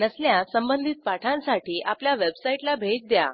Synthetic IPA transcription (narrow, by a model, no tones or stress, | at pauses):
nəsljasəmbənd̪ʱit̪̚paʈʰãnsaʈiːʔapljaʋebsaiʈlabʱed͡zd̪ja̰